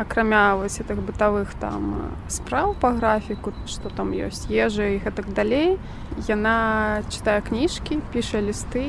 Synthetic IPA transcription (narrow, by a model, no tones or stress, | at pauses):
ɐkɾamʲavɔsʲɣɛt̪ɨɣbɨt̪avɨxt̪a̰m | spɾawpɐɣɾafʲiku | ʂt̪ɔt̪amjɔ̰sʲt͡sʲjɛʐɐiɣɛt̪ɐɡd̪alʲej | janat͡ʃɨ̥t̪ajɛknʲiʂkʲipʲiʂɐlʲist̪ɨ